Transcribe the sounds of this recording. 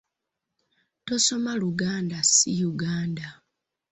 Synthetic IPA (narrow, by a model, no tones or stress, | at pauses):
to̞so̞maluɡaːndasijuɡaːnda